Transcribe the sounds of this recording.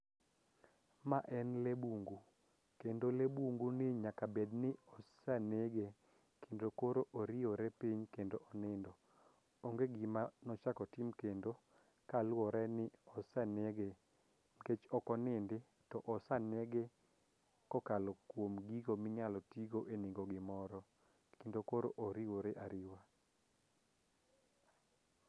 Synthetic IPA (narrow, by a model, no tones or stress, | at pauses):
maʔɛnlebuŋɡu | kendolebuŋɡunɪɲakabednɪɔsaneɡe | kʰendokoɾoʔoɾɪɔɾɛpiɲkendoʔɔnɪndɔ | oŋɡeɡɪmanɔt͡ʃakɔtɪmkendo | kalwɔɾɛnɪɔsaneɡe | mket͡ʃɔkɔnɪndɪ | tɔʔɔsaneɡe | kɔkalɔkwomɡiɡomɪɲalɔtiɡoʔenɪɡoɡɪmɔɾɔ | kendokoɾo̰ʔoɾiwoɾɛʔaɾɪwa